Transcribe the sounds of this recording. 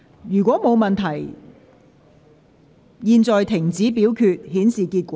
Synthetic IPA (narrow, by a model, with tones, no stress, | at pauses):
jyː˨˩kʷɔː˨˥mo˨˧wmɐ˨nt̪ʰɐ˨˩j | jiː˨˧nt͡sɔː˨jt̪ʰɪ˨˩ŋt͡siː˨˥pi˨˥wkʰyː˧t̚hiː˨˥nsiː˨kiː˧t̚kʷɔː˨˦